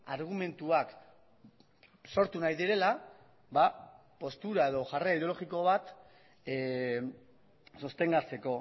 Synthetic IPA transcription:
aɾɣ̞ume̞nt̪uak | so̞ɾt̪unajðiɾe̞la | βa | po̞st̪uɾae̞ðo̞ʝareiðeo̞lo̞ɣiko̞β̞at̪ | sost̪e̞ŋɡaɾt͡se̞ko̞

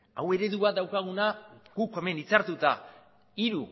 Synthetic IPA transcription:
a̰we̞ɾe̞ðuβat̪d̪awkaɣ̞unaɡ̥uke̞me̞nit͡saɾt̪ut̪a | iɾu

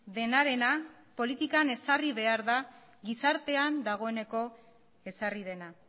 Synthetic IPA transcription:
ðe̞naɾe̞na | po̞lit̪ikane̞sariβ̞e̞aɾða | ɣisaɾt̪e̞and̪aɣ̞o̞e̞ne̞ko̞ | e̞sarið̞e̞na

